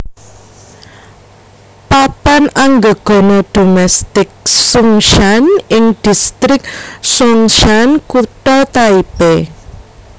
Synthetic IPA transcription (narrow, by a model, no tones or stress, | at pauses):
papanaŋɡə̤ɡ̥ɔ̤nɔd̥o̤mɛst̪ɪk̚suŋʃanɪŋd̪̥i̤st̪ɾɪk̚suŋʃankuʈɔt̪aibe